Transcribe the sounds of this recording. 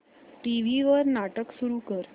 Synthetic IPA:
ʈiʋiʋəɾnaʈəksuɾuːkəɾ

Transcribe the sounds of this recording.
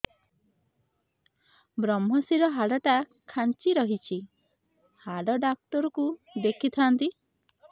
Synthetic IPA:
bɾɔmɦɔsiɾɔɦaɽɔʈakʰant͡ʃiɾɔɦit͡ʃʰi | haɽɔɖak̚t̪ɔɾɔkud̪ekʰit̪ʰant̪i

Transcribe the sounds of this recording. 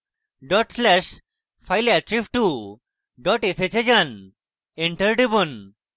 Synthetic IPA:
ɖɔʈslɛɕ | fajlɛʈɾifʈu | ɖɔʈeset͡ɕed͡ʑan | eɳʈəɾɖibun

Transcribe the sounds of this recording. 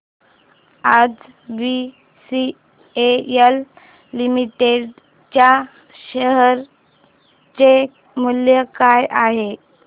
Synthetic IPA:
ad͡z | bi | si | eəlː | imiʈeɖ | t͡ɕja | ɕəɦəɾ | t͡ɕe | muljəkajʔaɦe

